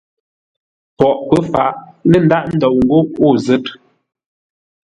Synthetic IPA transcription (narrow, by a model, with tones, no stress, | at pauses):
pɔ˨ʔpə˦fa̰˨ʔnə˦n̩˦da˦ʔn̩˦dɔ˨wŋ̩˨ɡo˦o˦˨zɛ˦t̚